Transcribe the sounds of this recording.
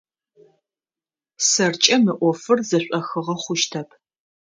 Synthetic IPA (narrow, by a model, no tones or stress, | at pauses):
sɐrt͡ʃʼɐmɨʔʷɔfɨrzɐɕʷʼɐxɨʁɐχʷʊʃtʰɐpʰ